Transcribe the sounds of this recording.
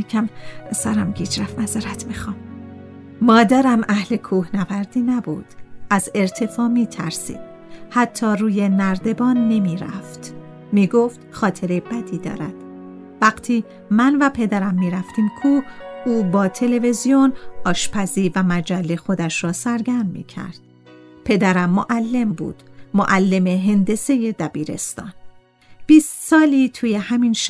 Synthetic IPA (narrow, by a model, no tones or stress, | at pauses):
ekʰæmsæɾæmɟiːd͡ʒɾæfnæzæɾæt̪ʰmixɒːm | mɒːd̪æɾæmʔæhle̞kʰuːhnævæɾd̪iːnæbṵːd̪̥æze̞ɾt̪ʰe̞fɒːmiːt̪ʰæɾsḭːd̪̥ | hæt̪ʰːɒːruːjenæɾd̪e̞bɒːnːe̞miːɾæ̰ft̪ | miːɡoft̪χɒːt̪ʰeɾebæd̪iːd̪ɒ̰ːɾæd̪̥ | væɡt̪ʰiː | mænvæpʰe̞d̪æɾæmːiːɾæft̪ʰiːmkʰuhuːbɒːt̪ʰe̞le̞vezijonɒːʃpʰæziːvæmæd͡ʒælːe̞xo̞d̪æʃrɒːsæɾɡæɾmmḭːcʰæ̰ɾd̪̥̚ | pʰe̞d̪æɾæmːoʔælːe̞mbṵːd̪̥moʔælːe̞meɦend̪e̞se̞je̞d̪æbiːɾe̞̰st̪ɒ̰ːn | b̥iːst̪sɒːliːt̪ʰuːjehæminʃ